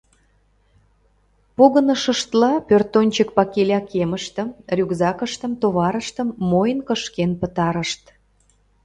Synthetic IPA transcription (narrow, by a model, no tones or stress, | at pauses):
poɣənəʃə̆ʃt̪lɑpørt̪ːonʲt͡ɕək̚pɑkelʲɑkʰeməʃt̪ə̆mrʲykzɑkəʃt̪ə̆mt̪oβɑɾəʃt̪ə̆mːojənkə̆ʃkenpə̆t̪ɑɾəʃt̪